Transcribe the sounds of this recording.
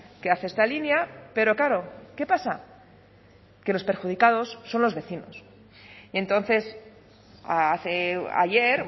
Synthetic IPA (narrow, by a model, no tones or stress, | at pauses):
keaθeest̪alinjape̞ɾo̞kaɾo̞ke̞pasa | ke̞lo̞spe̞ɾxuð̞ikaðo̞sːo̞nlo̞zβe̞θino̞̰s | ie̞nt̪o̞nθe̞s | aaθea̰ʝe̞ɾ